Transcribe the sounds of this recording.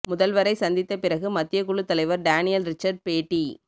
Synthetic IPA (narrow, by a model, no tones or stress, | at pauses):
mʊðɐlʋɐɾɐɪsɐnd̪ɪt̪ːɐpɪɾɐɣɯmɐt̪ːɪjɐkʊɭɯt̪ːɐlɐɪʋɐɾɖaːnɪjɐlɾɪt͡ʃːɐɾɖ̚peːʈːi